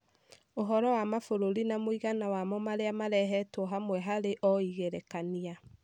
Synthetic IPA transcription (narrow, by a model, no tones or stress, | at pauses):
oɦɔɾɔwamafoɾoɾinamoiɣanawamɔmaɾeamaɾɛɦɛtwɔɦamwɛɦaɾeʔɔiɣeɾɛkania